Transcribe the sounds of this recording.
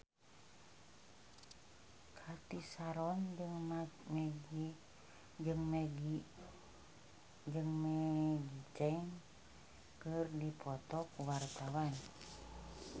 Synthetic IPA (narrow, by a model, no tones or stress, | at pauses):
kʰat̪isaɾɔnŋ | d͡ʒɨŋm | d͡ʒɨŋmɛɡit͡ʃɛŋ | kɨrdipʰɔt̪ɔkuwart̪awan